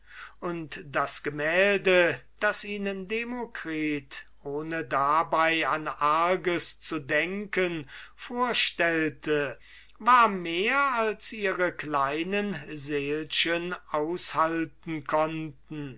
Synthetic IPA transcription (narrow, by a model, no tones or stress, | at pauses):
ʔʊntd̥asɡ̥əmɛːldəd̥asiːnəndemokʁiːtʔoːnədabaɪanʔaɐɡəst͡sudɛŋkənfoːɐʃtɛltʰə | vaːɐmeːɐalsʔiːʁəklaɪnənzeːlʃənaʊshaltn̩kʰɔntn̩